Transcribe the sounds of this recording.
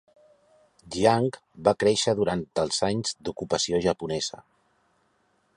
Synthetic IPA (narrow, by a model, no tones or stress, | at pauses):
d̪iaŋkbakɾeʃəðuɾant̪əlˠzaɲzd̪ukupəsioʒəpunɛzə̰